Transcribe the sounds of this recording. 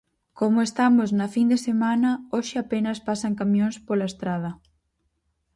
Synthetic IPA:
komʊest̪amʊznɐfind̪esemanɐoʃɪapenɐspasɐŋkamjõŋspolaest̪ɾað̞ɐ

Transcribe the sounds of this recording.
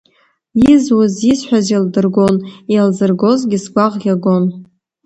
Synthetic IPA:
jizwʊzizħʷᶣazildɨrɡo̞nijalzɨrɡo̞zɡʲɪsɡʷaʁɡʲaɡo̞n

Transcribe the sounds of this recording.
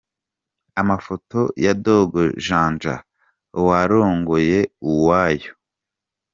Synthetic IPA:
amafo̞to̞jado̞ɡoʒaːnd͡ʒa̰ | waɾoːŋɡoje̞uwaːjo

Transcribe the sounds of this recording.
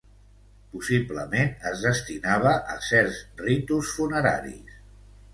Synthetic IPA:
pusipləmenəzðəst̪inaβ̞əʔəsɛɾzrit̪usfunəɾa̰ɾḭs

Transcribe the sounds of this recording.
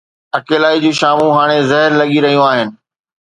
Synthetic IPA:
ɐkeːlaːid͡ʑũːʃaːmũɦaːɽ̃ezɐɦɪɾlɐɠiɾɐɦijũaːɦɪnɪ̆

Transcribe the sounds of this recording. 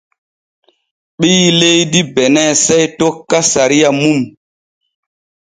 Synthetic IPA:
ɓilejdibɛnɛsejtokːasaɾijamum

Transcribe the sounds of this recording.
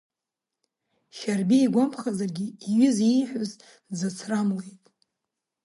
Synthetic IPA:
ʃarbiːɡʷompʰχazarɡʲiːɥɪzinħʷᶣʊz | zat͡sʰramlejtʼ

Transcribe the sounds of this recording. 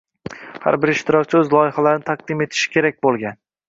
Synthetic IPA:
ha̰ɾbɪɾɪʃt̪ʰɪɾɒkʲt͡ʃʰɪɵzlˠɒjɪhalaɾnɪt̪ʰaq̚d̪ɪme̞t̪ʰɪ̥ʃɪ̥kʲʰe̞ɾak̚ʲbolˠɡʲan

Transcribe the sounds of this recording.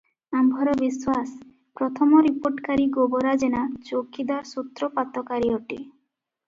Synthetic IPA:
ambʱɔɾɔbiswas | pɾɔt̪ʰɔmɔɾipoɾʈkaɾiɡobɔɾad͡ʒenat͡ʃokid̪aɾsut̪ɾɔpat̪ɔkaɾiɔʈḭ

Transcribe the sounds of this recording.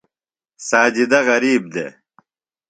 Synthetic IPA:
saːd͡ʑid̪ɐɣɐɾiːb̚d̪ḛː

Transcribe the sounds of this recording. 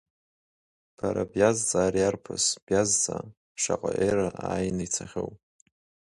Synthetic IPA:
b̥ʰaɾabjazd͡zʼaːrjarpʰɨsb̥jazd͡za | ʂaqʼaʔeraaːjnɨjt͡sʰaχʲew

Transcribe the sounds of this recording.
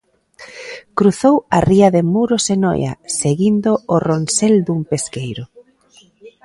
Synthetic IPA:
kɾuθowɐriɐðemuɾosenɔ̰jɐ̰seɣind̪oːronseld̪umpeskejɾʊ

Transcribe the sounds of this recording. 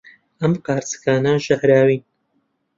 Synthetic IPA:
ɐmqaːɾt͡sɨ̥kaːnɐʒɐhɾaːwiːn

